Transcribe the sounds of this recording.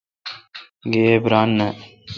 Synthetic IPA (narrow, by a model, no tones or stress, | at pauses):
ɡeːbɾaːnːə